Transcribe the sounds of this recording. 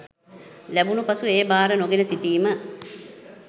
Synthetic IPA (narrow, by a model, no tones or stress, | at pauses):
læbunupasueːbaːɾənoɡenəsit̪iːmə